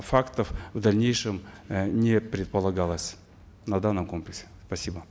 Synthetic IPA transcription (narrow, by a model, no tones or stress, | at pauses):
fakt̪əfvd̪ɐlʲnʲejʂɨmnʲɪpɾʲɪt̪̚pəlˠɐɡalˠəsʲ | nɐd̪anːəmkomplʲɪksʲɪ̥spɐsʲibə